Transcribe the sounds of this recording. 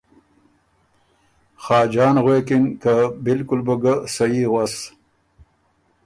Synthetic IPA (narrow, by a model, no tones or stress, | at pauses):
xɑːd͡ʒɑːnʁweːkɪnkabɪlkʊlbəɡəsɐjiɣas